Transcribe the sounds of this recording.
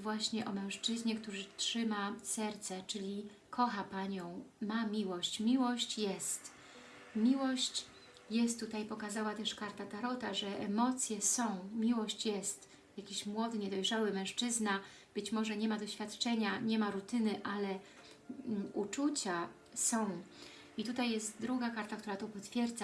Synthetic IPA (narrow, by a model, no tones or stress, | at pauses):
vwaɕɲɛʔɔmɛ̃w̃ʂt͡ʂɘzɲɛkt̪uʐɘtʂɘmasɛɾt̪sɛt͡ʂɘlʲi | kʰɔxapaɲɔ̃w̃mamʲiwɔɕt͡ɕmʲiwɔɕt͡ɕjɛst̪ | mʲiwɔɕt͡ɕ | jɛst̪ːut̪ajpɔkazawat̪ɛʂkaɾt̪at̪aɾɔt̪aʐɛʔɛmɔt̪sʲjɛsɔ̃w̃mʲiwɔɕt͡ɕjɛst̪ | jakʲiɕmwɔd̪ɘɲɛd̪ɔjʐawɘmɛ̃ʂt͡ʂɘzna | b̥ɘt͡ɕmɔʐɛɲɛmad̪ɔɕfʲjat̪t͡ʂɛɲaɲɛmaɾut̪ɘnɘʔalɛ | ut͡ʂut͡ɕa | sɔ̃w̃ | it̪ut̪ajːɛst̪̚d̪ɾuɡakaɾt̪akt̪uɾat̪ɔpɔt̪fʲjɛɾd̪za